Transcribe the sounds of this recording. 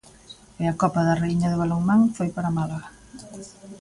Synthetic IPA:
ɪɐkɔpɐðɐreiɲɐðɪβaloŋmaŋfojpaɾamalaɣa

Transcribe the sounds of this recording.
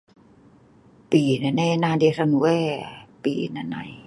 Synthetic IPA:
piːnananaːdesanuwɛːpiːnana̰j

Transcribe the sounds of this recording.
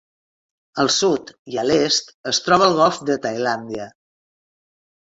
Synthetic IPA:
əlˠsut̪iəlest̪əst̪ɾɔβəlˠɣɔlˠfd̪ət̪ajland̪iə

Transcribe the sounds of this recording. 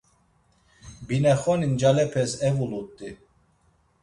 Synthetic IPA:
binɛχɔnind͡ʒalɛpʰɛsɛvulut̪ʼːi

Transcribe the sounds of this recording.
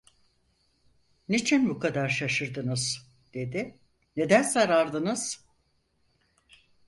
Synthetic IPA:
nit͡ʃʰinbukʰad̪aɾʃaʃɯɾd̪ɯnɯz̥ | d̪̥e̞d̪i | ne̞d̪ænzaɾaɾd̪ɯnɯz̥

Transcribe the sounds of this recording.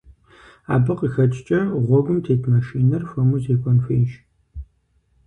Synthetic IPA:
a̰ːbɨqixɐt͡ʃʼt͡ʃʼɐʁʷɔɡʷʊmtʰeːtʰmɐʃiːnɐrfɐmuzeːkʷʼɔnfeːʒ

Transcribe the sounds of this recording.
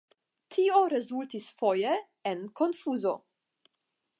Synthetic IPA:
t̪ʰiːoɾezult̪isfoje | enkonfuːzo̰

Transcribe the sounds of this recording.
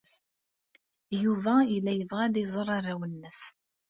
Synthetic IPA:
juvæilːæjəvʁæd̪izˤərˤɑɾˤawənːəs

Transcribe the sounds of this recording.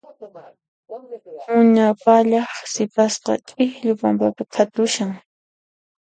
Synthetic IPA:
mʊɲapaʎɑχsɪpasqɑ̰t͡ʃʼɪxʎʊpampapat̪ʰat̪ʊʃaŋ

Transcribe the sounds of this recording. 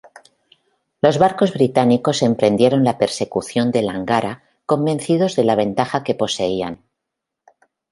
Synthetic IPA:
lo̞zβaɾko̞zβɾit̪aniko̞se̞mpɾe̞nd̪je̞ɾo̞nlape̞ɾse̞kuθjo̞nd̪e̞laŋɡaɾa | kõ̞mbẽ̞nθið̞o̞zðe̞laβ̞e̞nt̪axake̞po̞se̞ian

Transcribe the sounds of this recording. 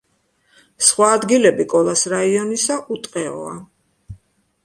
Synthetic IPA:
sχwaːd̪ɡilɛbikʼɔlˠasɾaiɔnisaʔut̪ʼqʼɛɔ̰a̰

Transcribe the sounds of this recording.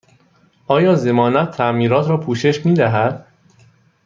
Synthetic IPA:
ʔɒːjɒːze̞mɒːnæt̪ʰːæʔmiːɾɒːt̪ʰɾɒːpʰuːʃe̞ʃmiːd̪æɦæd̪̥

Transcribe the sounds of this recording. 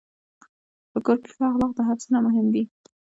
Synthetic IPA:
pəkoɾpɪfɑɣlɑqd̪əɦafsunamʊɦɪmd̪i

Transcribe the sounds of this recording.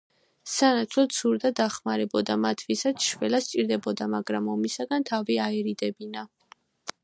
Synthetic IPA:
sanat̪sʰlɔt̪suɾd̪ad̪aχmaɾɛbɔd̪amat̪ʰvisat̪ʃvɛlast͡ʃʼiɾd̪ɛbɔd̪amaɡɾamɔmisaɡant̪ʰaviaɛɾid̪ɛbina

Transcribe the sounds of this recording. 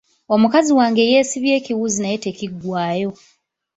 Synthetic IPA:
omukaziwaːŋɡe̞jeːsiβje̞ːciwuzinajeteciɡwaːjo̞

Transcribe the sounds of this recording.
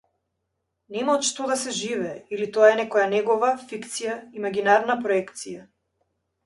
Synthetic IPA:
nɛmaɔt̪ʃt̪ɔd̪asɛʒivɛːilit̪ɔaɛnɛkɔjanɛɡɔvafikt̪sijaimaɡʲinaɾnapɾɔɛkt̪sija

